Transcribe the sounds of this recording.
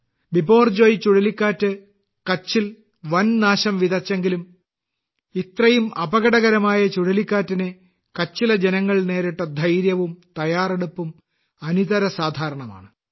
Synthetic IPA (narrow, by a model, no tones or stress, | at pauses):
bibo̞ːrd͡ʑo̞ːjt͡ɕuɽɐlikʲːaːtːɨ | kɐt͡ɕːil | ʋɐnnaːɕɐmʋiðɐt͡ɕːe̞ŋɡilum | it̪rɐjumɐbɐɣɐɽɐɣɐɾɐmaːjɐt͡ɕuɽɐlikʲːaːtːine | kɐt͡ɕːilɐd͡ʑenɐŋːɐɭne̞ːɾiʈːɐd̪ʱɐjɾjɐʋumt̪ɐjaːreɽupːum | ɐniðɐɾɐsaːd̪ʱaːɾɐɳɐma̰ːɳɨ